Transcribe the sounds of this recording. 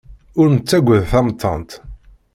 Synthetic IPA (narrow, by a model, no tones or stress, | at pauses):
ʊɾnət͡sːæɡʷəðθɑmt̪ʰːɑ̰nt̪